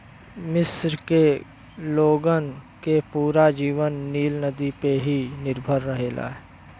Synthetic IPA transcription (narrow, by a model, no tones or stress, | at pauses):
mɪsɾke | loːɡənkepuːɾad͡ʒiːʋənːiːlnəd̪ipeɦinɪɾbʱəɾːəɦeːla̰ːɦɛ